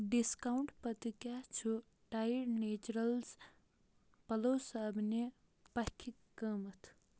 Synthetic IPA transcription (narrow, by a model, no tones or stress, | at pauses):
ɖiskauɳʈpət̪ikat͡ʃʰu | ʈajɾneːt͡ʃuɾəlz | pɐlosəbne | pɐkʰːikːəmət̪ʰ